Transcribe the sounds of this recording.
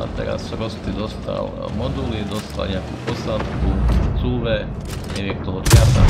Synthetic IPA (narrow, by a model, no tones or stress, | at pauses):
a̰t̪ɛ̰ɾa̰ssɾɔst̪id̪ɔst̪a̰l | mɔd̪ulid̪ost̪a̰lɲɛakṵːposat̪kut͡suːʋɛ | ɲɛʋiɛk̚t̪ɔɦot̪kat̪a